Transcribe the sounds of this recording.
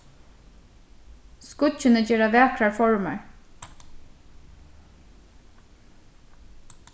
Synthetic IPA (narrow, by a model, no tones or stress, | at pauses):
skʊt͡ʃɪnəd͡ʑeːɾaʋæːkʰɾaɹfɔɹma̰ɹ